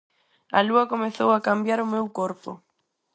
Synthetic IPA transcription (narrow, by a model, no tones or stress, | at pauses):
a̰luɐkomeθowakambjaɾʊmewkoɾpʊ̰